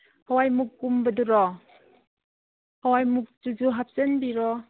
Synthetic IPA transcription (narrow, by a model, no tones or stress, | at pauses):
hawajmukːumbɐduɾɔ | hawajmuk̚d͡ʒud͡ʒuɦap̚senbiɾɔ